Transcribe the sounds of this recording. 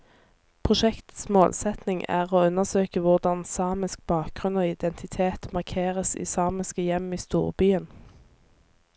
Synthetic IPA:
pʰʁʊʃɛkt̪smoːlsɛt̪nɪŋæ̰ːʁoːʉnːəʁsøːkəʋʊʁd̪ɑnsɑːmɪsk̚b̥ɑːk̚ɡ̥ʁʉnoːɪd̪ɛnt̪ʰɪt̪ʰeːt̪mɑʁkʰeːʁəsḭːsɑːmɪskəjɛmiːst̪ṵːʁbyːən

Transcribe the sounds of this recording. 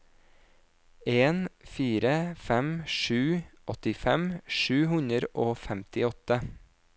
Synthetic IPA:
eːnfiːɾəfɛmʃʉːʔɔt̪ɪfɛmʃʉːhʉɲəɾʔoːfɛmt̪ɪɔt̪ə

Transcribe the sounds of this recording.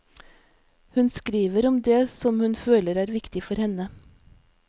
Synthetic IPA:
hʉnskɾiːʋəɾɔmd̪eːsɔmhʉnføːləɾæːɾʋɪkt̪ɪfɔɾhɛnə

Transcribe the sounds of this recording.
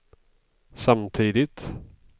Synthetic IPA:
samt̪ʰiːd̪ɪt̪

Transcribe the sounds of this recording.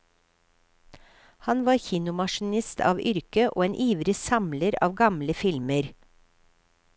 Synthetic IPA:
hɑnʋɑːɾçiːnʊmɑʃn̩ɪst̪ʰɑ̰ːʋʏɾkəʔo̰ːeːnʔiːʋɾəsɑmləɾɑ̰ːʋɡɑmləfɪlməɾ

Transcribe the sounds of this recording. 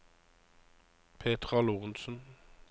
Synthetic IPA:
pʰeːt̪ʁɑluːʁnsn

